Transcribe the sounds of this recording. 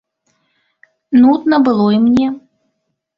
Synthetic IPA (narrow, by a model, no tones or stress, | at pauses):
nut̪nɐbɨlˠɔimnʲɛ